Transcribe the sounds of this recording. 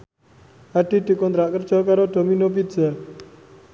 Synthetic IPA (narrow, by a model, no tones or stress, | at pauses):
aɖ̥i̤d̪̥i̤kɔnt̪ɾaʔkərd̥ʒ̥ɔ̤kaɾoɖ̪̥o̤minop̬idd͡ʒa